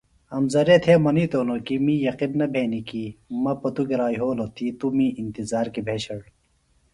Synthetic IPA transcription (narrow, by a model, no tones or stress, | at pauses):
ɐmzɐɾet̪ʰemɐniːt̪oːnokimiːjɐqinnɐbʱeːnikiːmɐpɐt̪uɡeɾaːiɦoːlot̪ʰiːt̪umiːint̪izaːɾkibʱeːɕɐɽ